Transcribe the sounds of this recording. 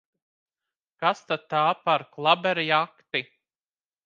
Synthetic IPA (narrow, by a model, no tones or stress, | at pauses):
kast̪at̪ːaːpaɾklˠabɛɾjakt̪i